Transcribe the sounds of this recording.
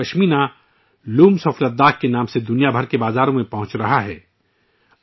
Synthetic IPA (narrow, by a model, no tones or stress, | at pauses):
ɐʃmiːna | luːmsɔːflət̪̚d̪aːk̚kːenaːmsed̪ʊnijabʱɐɾkebaːzaːɾõmẽpɐɦʊ̃t͡ʃɾɐɦaɦɛː